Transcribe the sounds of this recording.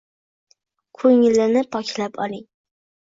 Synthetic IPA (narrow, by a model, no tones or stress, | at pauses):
kʰɵŋɪlːɪnɪpʰɒkʲlapʰɒ̰lˠɪŋ